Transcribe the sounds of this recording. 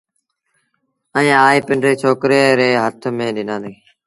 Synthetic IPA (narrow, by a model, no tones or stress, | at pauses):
ə̃ɲãːaːiːpɪɳɖɾeːt͡ʃʰoːkɾeːɾeːɦət̪ʰmẽːɗɪnãːnd̪eː